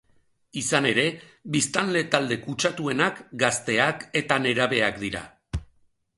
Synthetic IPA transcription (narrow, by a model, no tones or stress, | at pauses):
isane̞ɾe̞ | βist̪anle̞t̪ald̪e̞kut͡ʃat̪ue̞nakɡast̪e̞ake̞t̪ane̞ɾaβe̞akd̪iɾa̰